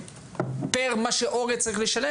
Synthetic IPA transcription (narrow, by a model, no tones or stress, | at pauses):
peʁmaʃeʔoʁet͡saʁiχleʃale